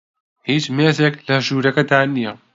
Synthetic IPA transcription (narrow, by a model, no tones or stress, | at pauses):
hiːt͡ʃmeːzeːklɐʒuːɾɐkɐd̪aːnijɐ